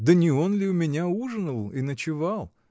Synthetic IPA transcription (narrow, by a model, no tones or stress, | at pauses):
d̪ənʲɪo̞nlʲɪʊmʲɪnʲauʐɨnəlˠinət͡ɕɪvalˠ